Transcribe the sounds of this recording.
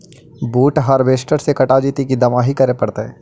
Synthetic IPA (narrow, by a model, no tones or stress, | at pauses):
buːʈɦɐɾbeːsʈəɾsekɐʈaːd͡ʒiːt̪ikid̪ɐmaːɦikɐɾepɐɽt̪eɦɛ̃ː